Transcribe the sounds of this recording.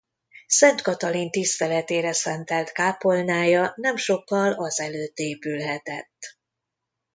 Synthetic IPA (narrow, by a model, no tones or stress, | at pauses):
sɛnt̪kɒt̪ɒlint̪ist̪ɛlɛt̪eːɾɛsɛnt̪ɛlt̪kaːpo̞lnaːjɒnɛmʃo̞kːɒlɒzɛløːt̪ːeːpylɦɛt̪ɛt̪ː